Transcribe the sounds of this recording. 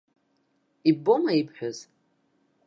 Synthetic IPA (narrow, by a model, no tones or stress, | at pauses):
ibomaipʰħʷᶣaz̥